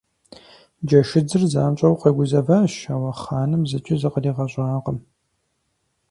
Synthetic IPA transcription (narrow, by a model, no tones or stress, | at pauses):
d͡ʒɐʃɪd͡zɨrzaːnt͡ʃʼɐwqɐɡʷʊzɐvɐʃaːwɐχaːnɨmzɨt͡ʃʼɪzɨqəriːʁɐɕʷʼaːqəm